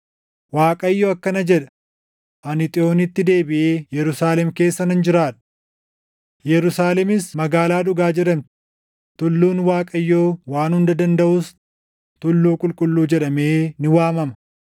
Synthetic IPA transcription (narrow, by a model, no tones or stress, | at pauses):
waːkʼɐjːoːɐkːɐnɐd͡ʒɛᶑɐ̥ | ʔɐnɪt̪ʼɪo̞ːnɪt̪ːɪd̪e̞ːbɪʔeːjɛɾʊsaːlɛmke̞ːsːɐnɐnd͡ʒɪɾaːᶑɐ̥ | jɛɾʊsaːlɛmɪsmɐɡaːlaːᶑʊɡaːd͡ʒɛɾɐmt̪ɪ̥ | t̪ʊlːuːnwaːkʼɐjːo̞ːwaːnhʊnd̪ɐd̪ɐnd̪ɐʔʊs | t̪ʊlːuːkʼʊlkʼʊlːuːd͡ʒɛᶑɐmeːnɪwaːmɐmɐ̥